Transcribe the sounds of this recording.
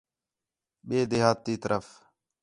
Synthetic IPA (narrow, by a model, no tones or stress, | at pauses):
ɓeːd̪eːɦaːt̪ːiːt̪əɾʔəf